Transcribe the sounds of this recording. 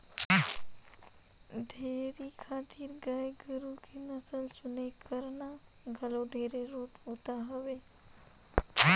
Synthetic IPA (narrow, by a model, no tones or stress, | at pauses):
d̪ʱeːɾikʰaːt̪iːɾɡajɡəɾukʰinəsəlt͡ʃʊnekəɾna | ɡʱəloɖʱeːɾeɾoːt̪ut̪aɦəʋe